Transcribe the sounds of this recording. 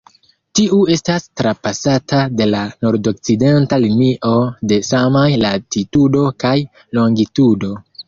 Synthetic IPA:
tiʔue̞stastɾapasatade̞lano̞ɾdo̞k̚t͡side̞ntalimiʔo̞de̞samajlatitudo̞kaj | lo̞ŋɡitudo̞

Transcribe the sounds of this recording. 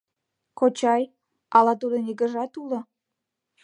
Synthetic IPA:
kot͡ɕɑj | ɑlɑt̪ud̪əniɡəʒɑt̪ulŏ

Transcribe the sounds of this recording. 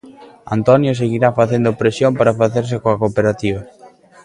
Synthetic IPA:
a̰nt̪ɔnjos̬eɣiɾafaθend̪opɾesjompaɾafaθeɾs̬ɪkõɐkopeɾat̪iβ̞ɐ

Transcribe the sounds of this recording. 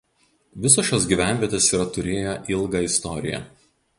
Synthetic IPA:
ʋʲɪs̬oːʃʲjoːsɡʲiːˑʋʲæˑnʲʋʲiɛt̪ʲeːsiːɾɐt̪ʊɾʲeːjoʔɪlˠɡɐɪst̪ɔɾʲɪ̰jɛ̰

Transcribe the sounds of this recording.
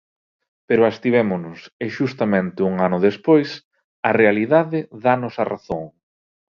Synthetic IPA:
peɾʊast̪iβemʊnʊsɪʃust̪ɐmẽnt̪ɪuŋanʊðespojs | ɐrealiðaðɪðanʊsɐra̰θoŋ

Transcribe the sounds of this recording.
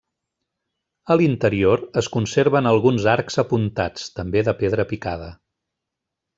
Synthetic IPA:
əlint̪əɾioɾəskunseɾβ̞ənəlˠɣunzaɾkzəpunt̪at͡st̪əmbeðəpeðɾəpikað̞ə

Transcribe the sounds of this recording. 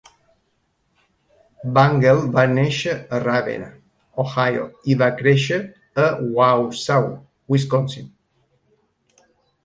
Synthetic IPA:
baŋɡelbaneʃəːraβḛn | oxajo̰iβakɾeʃəː | wawsaw | wiskonsin

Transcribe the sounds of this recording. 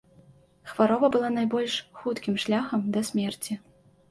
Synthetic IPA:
xvaɾɔbɐbɨlˠan̪ajbɔlʲʂxut̪kʲimʂlʲaxɐmd̪ɐsʲmʲɛrt͡sʲi

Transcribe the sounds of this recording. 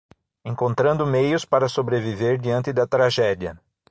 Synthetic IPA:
ẽŋkõnt̪ɾɐ̃nd̪ʊmejʊspaɾɐsobɾeviveɾd͡ʒ̪iɐ̃nt̪ɪd̪ɐt̪ɾaʒɛd̪iɐ

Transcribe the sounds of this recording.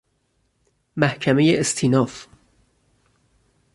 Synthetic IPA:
mæhcʰæme̞jeʔest̪ʰiːnɒːf

